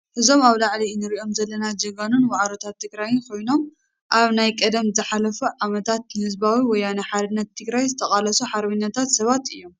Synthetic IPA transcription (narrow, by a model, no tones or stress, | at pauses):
hɨzo̞maβlaʕlinɨɾiʔo̞mzɐlːɐnad͡ʒɐɡanunwaʕɾot̪ʰat̪ʰːɨɡɾajɪnkʰo̞jno̞m | ʔaβnajkʼɐd̪ɐmzɨħalɐfuʕamɐt̪ʰat̪nɨhɨzbawiwɔjːanɨħad̪ɨnːɐt̪ʰːɨɡɾajzɨt̪ʰɐxʼalɐsuħaɾβinːɐt̪ʰat̪sɐβat̪ɨjːo̞m